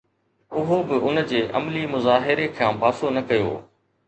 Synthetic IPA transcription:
ʊɦobɪʊnd͡ʑeːʔɐ̰mlimʊzaːɦɪɾekʰãːpaːsonɐkɐjo̰ː

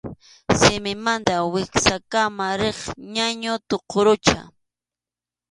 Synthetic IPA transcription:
sɪmɪmant̪awɪksakamaɾeχɲaɲʊt̪oqʰoɾʊt͡ʃa̰

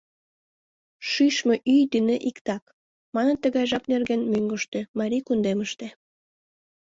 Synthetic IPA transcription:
ʃyʃmøʔyjd̪yneʔikt̪ɑk | mɑnənt̪ːəɣɑjʒɑpnerɣenmyŋɡəʃt̪ømɑɾʲikund̪eməʃt̪ĕ

